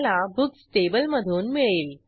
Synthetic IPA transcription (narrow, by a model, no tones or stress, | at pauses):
labuksʈebəlməd̪ʱuːnmiɭeːl